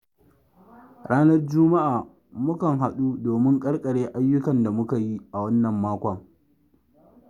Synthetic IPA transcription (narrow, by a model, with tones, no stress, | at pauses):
ɽaː˦nɐ˦rd͡ʒʊ˦ma˦ʔaː˨ | mʊ˦kɐ˨ŋɦa˨ɗu˦doː˨mɪ˦ŋkʼɐ˦ɽkʼɐ˨ɽeː˦ʔa˦jːʊ˦kɐ˨nda˨mʊ˦ka˨ji˦ʔa˨wɐ˦nːɐ˨mːaː˦kʷɐ˨